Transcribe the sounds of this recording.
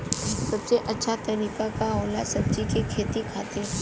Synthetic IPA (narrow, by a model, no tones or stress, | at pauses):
sɐbseʔətːʃʰat̪ɐɾiːkakaɦolasɐb̚d͡ʒikikʰeːt̪ikʰaːt̪e